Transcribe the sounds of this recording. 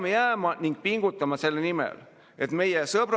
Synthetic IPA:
mejæːmɑniŋɡ̥̚piŋɡ̥ut̪ˑːɑmɑse̞lːenimḛl | ʔe̞t̪me̞jesɤbɾ

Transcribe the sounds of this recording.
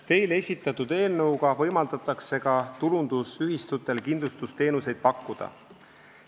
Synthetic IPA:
t̪e̞jle̞sʲit̪ːˑɑt̪ːud̪e̞ːlnɤuɡɑvɤ̞jmɑld̪̥ɑt̪ːˑɑkse̞kɑt̪ulund̪̥usyɦist̪ut̪ːˑe̞lkind̪lust̪ust̪e̞ːnuse̞jd̪̥̚pɑkːˑud̪̥ɑ̰

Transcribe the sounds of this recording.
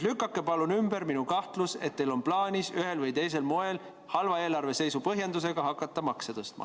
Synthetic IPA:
lykːˑɑkːe̞pɑlunymbe̞ɾminukɑht̪luse̞̰t̪̚ːe̞jlo̞nplɑːnʲisyɦe̞lvɤjt̪e̞js̬e̞lmo̞e̞l | hɑlvɑe̞ːlɑrve̞se̞jsupɤɦjɑnd̪use̞ɡ̥ɑɦɑkːˑɑt̪ːˑɑmɑkset̪ɤst̪mɑ̰

